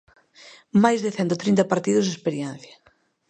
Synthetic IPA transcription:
majzðɪθɛnt̪ot̪ɾint̪ɐpaɾt̪iðʊzðespeɾjɛn̟θjɐ

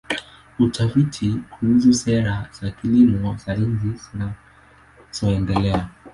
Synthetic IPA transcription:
utʰafitʰikuhuzusɛɾaz̥akilimɔz̥aɾinzizina | z̥ɔɛndɛlɛa

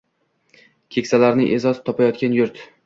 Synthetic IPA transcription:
kʲʰekʲsalaɾnɪ̰ʔe̞zɒzɪ̥t̪ʰɒpʰajɒt̪̚kʲanjʊɾt̪

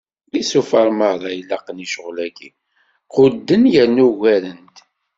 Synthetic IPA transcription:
lisufɑɾˤməɾˤɑjlːɑqəniʃəʁlæɡḭ | qʊd̪ːənjənːuɣæɾənt̪

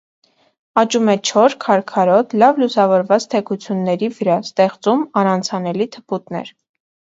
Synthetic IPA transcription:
ɑt͡ʃumɛt͡ʃʰɔɾkʰɑɾkʰɑɾɔt̪ʰlɑvlusɑvɔɾvɑt͡st̪ʰɛkʰut͡sʰjunːɛɾivəɾɑst̪ɛχt͡sumɑɾɑnt͡sʰɑnɛlit̪ʰə̥put̪nɛ̰ɾ

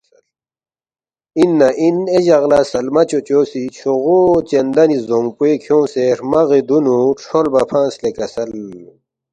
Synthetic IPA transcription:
inːɐʔineʑɐɣlasɐlmɐt͡ɕot͡ɕoːsit͡ɕʰoɣot͡ɕend̪ɐnizoŋɡpuekʰjõːseɾmɐɣid̪unuʈ͡ʂʰolbɐpʰãːslekɐsɐl

